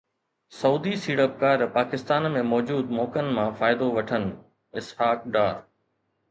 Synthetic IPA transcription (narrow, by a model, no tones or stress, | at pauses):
sɐuːd̪isiːɽəp̚kaːɾpaːkɪst̪aːnmẽmɔːd͡ʑuːd̪mɔːkənɪ̆mãfaːɪd̪oʋɐʈʰənɪ̆ | ɪshaːk̚ɖaː